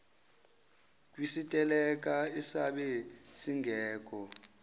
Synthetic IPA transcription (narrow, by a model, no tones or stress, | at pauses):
k̬ʼwisitʼɛlɛk̬ʼaisaɓɛsiŋʱɛːk̬ʼɔ